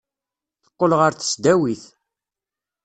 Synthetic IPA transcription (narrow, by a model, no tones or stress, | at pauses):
θə̥qːəlʁəɾθə̥sd̪æwiθ